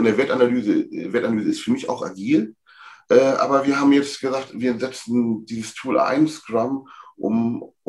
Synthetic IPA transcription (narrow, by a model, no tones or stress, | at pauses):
ɪndeːɐveːɐtanalyːzəveːtanalyːzəɪstfyːɐmɪça̰ʊxʔa̰ɡiːl | ʔɛːʔa̰ːbɐviːɐhaːbmjɛt͡stɡ̥əzaːktv̥iːɐzɛt͡sn̩diːzəstʰuːla̰ɪnskʁamʔʊ̰m